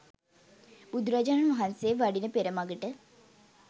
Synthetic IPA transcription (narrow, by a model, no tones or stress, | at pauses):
b̥ud̪uɾɐd͡ʒaːnmɐɦɐnseːʋɐɖinəpeɾɐmɐɡəʈə